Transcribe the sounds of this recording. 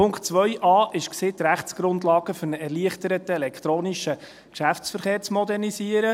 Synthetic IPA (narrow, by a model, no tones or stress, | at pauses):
pʊŋktt͡sʋœjʔɑːʔɪʃksɪːt̪ɾæχt͡sɡ̥ɾʊndlɑːɡ̥əfɵɾnəɛɾrliəχt̪əɾətəɛlɛkt̪ɾoːniʃə | kʃæft͡sfəɾχeːɾt͡smɔd̪ɛrnisiəɾə